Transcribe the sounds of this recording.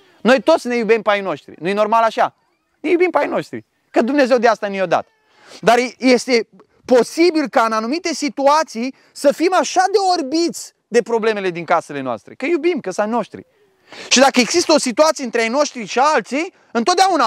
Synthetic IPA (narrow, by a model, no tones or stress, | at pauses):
no̞jt̪o̞t̪sʲne̞jubempajno̞ʃt̪ɾḭnuje̞normalaʃa | nejubimpajno̞ʃt̪ɾḭ | kəd̪umne̞zewd̪east̪anijod̪a̰t̪ə̥ | d̪arje̞st̪e̞ | po̞sibilkaɨnanumit̪e̞sit̪uat̪sij | səfimaʃad̪e̞orbit̪sʲ | d̪e̞pɾo̞ble̞me̞le̞d̪iŋkase̞le̞noa̰st̪ɾe̞̰kəjubimkəsajno̞ʃt̪ɾḭ | ʃid̪akəe̞ɡzist̪əosit̪uat̪sieɨnt̪ɾeajno̞ʃt̪ɾiʃialt̪sij | ɨnt̪ot̪̚d̪eauna